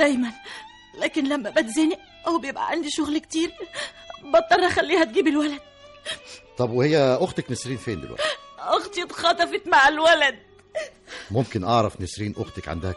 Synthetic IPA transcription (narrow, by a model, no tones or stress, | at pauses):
d̪̥æjmæn | læːkɪnlæmːæbæt̪zeːnɪʔ | ʔæwæbjebʔæ̰ʕand̪iʃʊɣlkt̪iːɾ | bɑt̪ˤːɑrˤæxælːiːhæt̪̚ɡiːbɪlwælæd̪̥̚ | t̪ˤːɑbwehejːæʔoxt̪æknesɾiːnfeːnd̪ḭʔæ̰ʔoxt̪it̪xɑt̪ˤɑfet̪maʕalwælæd̪̚ | momkɪnʔɑʕɾˤɑfnesɾiːnʔoʊxt̪ækʕa̰nd̪æhæ